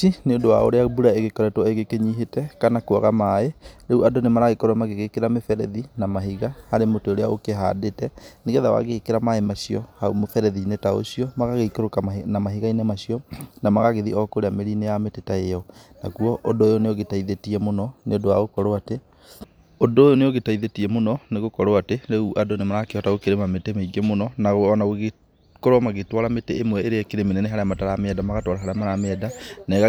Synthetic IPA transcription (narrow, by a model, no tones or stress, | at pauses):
ineondowa̰o̰ɾeabuɾaeɣekɔɾɛtwɔeɣekeɲiɦetɛkanakoaɣamaeɾeuadonemaɾaɣekɔɾwamaɣeɣekeɾamefɛɾɛðinamaɦiɣahaɾemoteoɾeaokeɦadetɛneɣɛðawa̰ɣeɣekeɾamaemaɕiɔhaomofɛɾɛðinetao̰ɕiɔmaɣaɣeikoɾokanamaɦiɣainemaɕiɔnamaɣaɣeðiʔɔkoɾeameɾinejametetaejɔnakuɔʔodoːjoneoɣetaiðetiɛmonɔneondowaɣokɔɾoate | odoːjoneoɣetaiðetiɛmonɔneɣokɔɾoateɾɛuʔadonemaɾaakeɔtaɣokeɾemametemeiɡemonɔnaɣoɔnaɣoɣe | koɾwamaɣetwaɾameteemwɛeɾeekeɾemenɛneɦaɾeamataɾameɛdamaɣatwaɾaɦaɾeamaɾameɛdana